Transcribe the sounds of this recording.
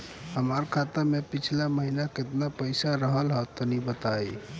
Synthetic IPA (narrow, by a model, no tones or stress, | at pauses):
ɦəməɾkʰat̪əɾmepit͡ʃʰilaməɦinaket̪napəjsaɾəɦəlɦət̪ənibət̪aj